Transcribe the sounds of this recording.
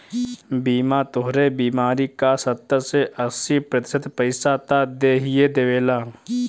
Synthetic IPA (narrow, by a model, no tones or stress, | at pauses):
biːmat̪oɦɾebiːmaːɾikasɐt̪ːəɾseʔɐsipɾɐt̪ɪ̥sət̪pəɪsat̪ad̪eːɦijed̪eʋeːlaː